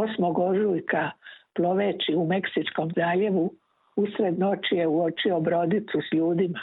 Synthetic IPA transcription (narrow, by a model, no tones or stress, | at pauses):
osmoɡoʒujkaplˠo̞ʋeːt͡ʃiume̞ksit͡ʃko̞mzaːʎe̞ʋu | usɾe̞d̪not͡ʃije̞uo̞t͡ʃio̞bɾo̞d̪it̪susʎuːd̪ima